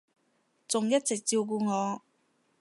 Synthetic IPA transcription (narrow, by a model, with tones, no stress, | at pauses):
t͡sʊ˨ŋjɐ˥t̚t͡sɪ˨k̚t͡siː˧wk̬uː˧ŋɔː˨˧